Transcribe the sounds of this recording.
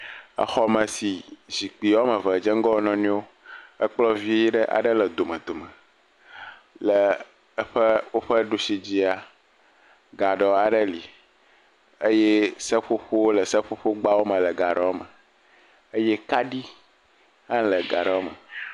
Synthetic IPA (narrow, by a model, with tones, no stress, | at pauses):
ə̰˨xɔ˦mə˨si˨zi˨k͡pi˨wɔ˦mə̃˨və˨d͡ʒə˦ŋ˦ɡɔ˦nɔ̃˦nĩ˦o˦ | ə˦k͡plɔ˦vi˦ji˦ɖə˦ʔa̰˨ɖə˦lə˨d̪o˨mə˨d̪o˨mə˨ | lə˨˦ | ɸə˦wo˦ɸə˦ɖu˦si˦d͡ʑi˦a˨ | ɡa˨ɖɔ˨a˨ɖə˦li˨ | ə˦je˦sə˦ɸo˦ɸo˦wo˦lə˨sə˦ɸo˦ɸo˦ɡ͡ba˦wo˦mə̃˨lə˨ɡa˨ɖɛ˨wɔ˦mə˨ | ə˦jɛ˦ka˦ɖi˦ | ɦã˦lə˨ɡa˨ɖɛ˨o˦mə̰˨